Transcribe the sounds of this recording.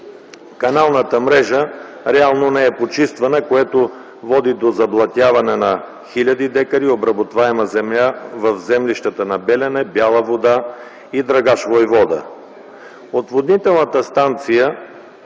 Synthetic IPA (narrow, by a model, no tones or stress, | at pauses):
kɐnalˠnət̪əmɾɛʒə | ɾɛalˠnonɛɛpot͡ʃist̪vɐnəkoɛt̪o | vɔd̪id̪ozɐblˠɐt̪ʲjavɐnɛnɐ | xilʲɐd̪id̪ɛkəɾiobɾɐbot̪vaɛməzɛmjʲavɐvzɛmliʃt̪ət̪ənɐbɛlʲɛnɛbjalˠəvod̪a | id̪ɾɐɡaʃvojvɔd̪ə̰ | ot̪vod̪nit̪ɛlˠnət̪əst̪ant̪sijə